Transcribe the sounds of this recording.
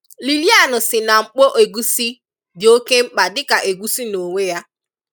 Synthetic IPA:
li˨li˦a˦˨nʊ˨sɪ˨na˨ŋ͡m̩˨k͡po˦ʔe˨ɡu˦si˦ | dɪ˨o˦ke˦ŋ͡m̩˦k͡pa˨dɪ˦ka˨ʔe˨ɡu˦si˦no˨ŋʷe˦ja˦

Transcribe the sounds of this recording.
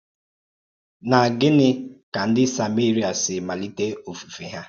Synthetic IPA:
na˨ɡɪ˦nɪ˦ka˨n̩˦dɪ˦sa˨me˦ɾi˨a˨sɪ˨ma˨li˦te˦o˨fu˨fi˨ɦa˦

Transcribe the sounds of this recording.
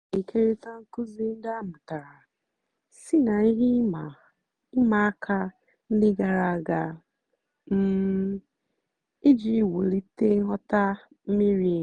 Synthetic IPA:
i˨ke˦ɾe˦ta˦ŋ̩˦kʊ˦zi˦n̩˦da˦mʊ˨ta˨ɾa˨ | si˦na˨i˦ɦi˦˨ | ɪ˦ma˨a˦kʰa˦ | n̩˦dɪ˦ɡa˨ɾa˨a˨ɡa˨ | m̩˦ | i˦d͡ʒi˦˨wo˨li˦te˦ɦɔ˦ta˦ | m̩˦mi˦ɾi˨

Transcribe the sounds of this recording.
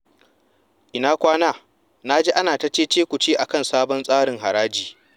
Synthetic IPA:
ʔɪ˨naː˦kʷaː˦naː˦ | na˦d͡ʒeː˦ʔa˦naː˨ta˦t͡ʃeː˦t͡ʃeː˦kʷu˨t͡ʃeː˦ʔa˨kɐ˦nsaː˦bɔ˦nsʼaː˦ɽɪ˨ŋɦa˨ɽaː˦d͡ʒiː˨

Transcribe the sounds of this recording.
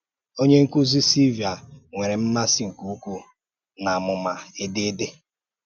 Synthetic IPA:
o˦ɲe˦ŋ̩˦kʷu˦zi˦si˦vi˨a˨ŋʷe˨ɾe˨m̩˦na˦sɪ˦ŋ̩˨ku˦u˦kʷu˦ | na˨mʊ˨ma˨e˦de˦de˦

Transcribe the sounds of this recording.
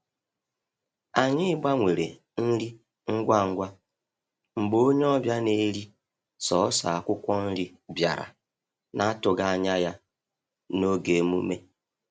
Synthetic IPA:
a˨ɲɪ˦ɡ͡ba˦ŋʷe˨ɾe˨ | n̩˦ɾi˦ | ŋ̩˦ɡʷa˦˨ŋ̩˦ɡʷa˦ | ŋ͡m̩˨ɡ͡bo˦ɲ˦ɔ˦bja˦ne˦ɾi˦ | sɔ˨˦sa̰˨a˨kʷʊ˦kʷɔ˦n̩˦ɾi˦ | bja̰˨ɾa̰˨ | na˦tʊ˨ɡa˦˨ɲa˦ja˦ | no˦ɡe˨mṵ˦me˦

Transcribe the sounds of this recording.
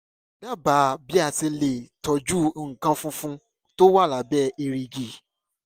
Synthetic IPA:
da˦˨ba˨˦bi˦a˧˨ti˧le˨tɔ˨d͡ʒu˦ŋ̩˨kã˦fũ˦fũ˦ | to˦wa˦˨la˨˦bɛ˦ʔe˧ɾi˧d͡ʒi˨

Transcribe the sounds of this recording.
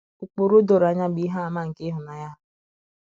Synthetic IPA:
ʊ˨k͡po˨ɾo˦do˨ɾa˨ɲa˦bi˨˦ɦa˦a˨ma˦ŋ̩˨ke˦ɦʊ˨na˨ja˦

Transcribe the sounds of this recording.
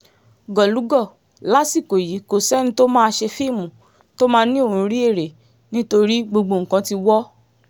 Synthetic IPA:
ɡɔ˨lu˨˦ɡɔ˦˨ | la˨˦si˦˨ko˨ji˨˦ko˨sɛ˦nĩ˧to˦mã˦˧ʃe˧fi˦˨mũ˨ | to˦mãː˦nĩ˦o˦˨hũ˧˦ɾi˦e˦˨ɾe˨ | nĩ˦to˧ɾi˦ɡ͡bo˧ɡ͡bo˧˨ŋ̩˨kã˧˦ti˧wɔ˦

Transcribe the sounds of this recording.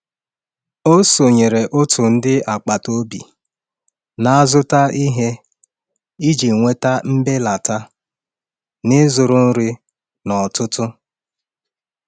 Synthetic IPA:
o˦so˨ɲe˨ɾe˨ʔʊ˦tʰʊ˨n̩˦dɪ˦a˨k͡pa˨to˦bḭ˨ | na˦a˦zʊ˦ta˦i˦ɦe˦ | i˦d͡ʒi˨ŋʷe˦ta˦m̩˦be˦la˨ta˦ | nɪ˦zʊ˨ɾʊ˦n̩˦ɾɪ˦ | nɔ˨tʊ˦tʊ˦

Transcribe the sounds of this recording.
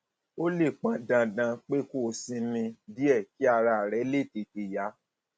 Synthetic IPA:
o˦le˦˨k͡pã˦dã˧dã˧k͡pe˦ko˦˨sĩ˧nĩ˧bi˦ɛ˦˨ki˦a˧ɾa˧a˨ɾɛ˨˦le˦˨te˨te˨ja˨˦

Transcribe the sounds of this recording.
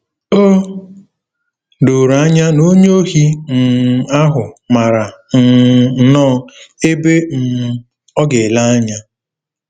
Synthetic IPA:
o˦ | do˨ɾa˦ɲa˦no˦ɲ˦o˦ɦi˦n̩˨a˦ɦʊ˨ma˨ɾa˨n̩˦nɔː˦e˦be˦n̩˨ | ɔ˦ɡe˨la˦a˦ɲa˦

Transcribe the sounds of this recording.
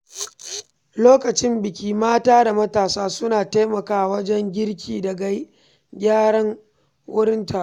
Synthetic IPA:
loː˦kɐ˨t͡ʃɪ˦mbɪ˨kʲiː˦maː˦taː˦da˨mɐ˦taː˨saː˦sʊ˦naː˨ta˦mɐ˨kaː˦˨wɐ˦d͡ʒɛ˦ŋɡʲɪ˦ɽkʲiː˨dɐ˨ɡa˦j | ɡʲaː˦ɽɐ˦ŋ | wʊ˦ɽɪ˦ntʰa˨˦

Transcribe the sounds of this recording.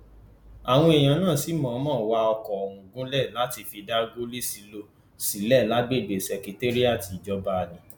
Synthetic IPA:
a˨w̃ɔ̃˦e˨j̃ã˨˦nãː˦˨si˨˦mãː˨˦mãː˦˨wa˧ɔ˧kɔ˨ɾũ˨ɡũ˦lɛ˦˨la˦ti˧fi˧da˦ɡo˦li˦si˧lo˦ | si˨˦lɛ˦˨la˨˦ɡ͡be˦˨be˨sɛ˨ki˧te˦ɾi˦a˦˨ti˧˨d͡ʒɔ˧ba˦˧˨nĩ˨˦

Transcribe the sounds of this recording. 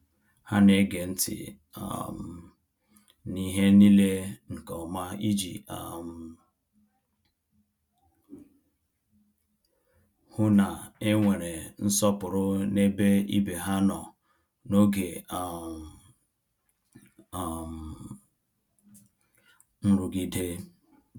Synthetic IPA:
ha˦ne˦ɡe˨n̩˦tɪ̰˨ | a̰˨m˨ | ni˦ɦe˦ni˦le˦ŋ̩˨kɔ˨ma˦i˦d͡ʒi˨a̰˨m˨ | hʊ˦na˨e˦ŋʷe˨ɾe˨n̩˦sɔ˦pʊ˨ɾʊ˦ne˦be˦ḭ˦be˨ɦa˦nɔ˨ | no˦ɡe˨a˨ | m˨ | n̩˦ɾu˨ɡi˦de˦

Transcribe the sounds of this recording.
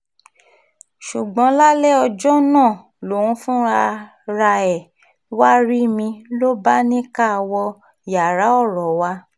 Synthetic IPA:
ʃu˨ɡ͡bɔ̃˨˦la˦lɛ˦˨ɔ˧d͡ʒɔ˦nãː˦˨ | lo˨ũ˧˦fũ˦a˧ | ɾa˧ɛ˨ | wa˦ɾi˦mĩ˧lo˦ba˦nĩ˦ka˦˧wɔ˧ | ja˨ɾa˨˦ɔ˦˨ɾɔ˨wa˧

